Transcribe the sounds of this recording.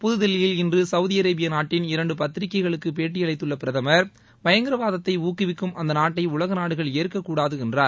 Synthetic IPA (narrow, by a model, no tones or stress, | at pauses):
pʊðɯðɛlɪjɪlɪndrɯsɐʊðiɐɾeːbɪjɐnaːʈːɪnɪɾɐɳɖɯpɐt̪ːɪɾɪkːɐɪɣɐɭɯkːɯpeːʈːɪjɐɭɐɪt̪ːɯɭːɐpɪɾɐðɐmɐɾ | ʋɐjɐŋɡɪɾɐʋaːðɐt̪ːɐɪuːkːɪʋɪkːɯmʔɐnd̪ɐnaːʈːɐɪʊɭɐɣɐnaːɽɯɣɐɭeːɐɾkɐkːuːɽaːðɯɛndraːɾ